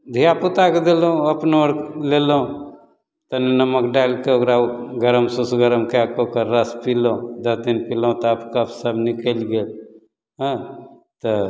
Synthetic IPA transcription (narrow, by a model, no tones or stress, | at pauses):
d̪ʱijaput̪aked̪elũəpnəɾlelũ | t̪əninəməkɖalkeokɾaɡəɾəmsusɡəɾəmkeakokəɾːəspilõd̪əsd̪inpilaũt̪ɔapkəpsəbnikəlɡeːl | ɦə̃ | t̪ɔ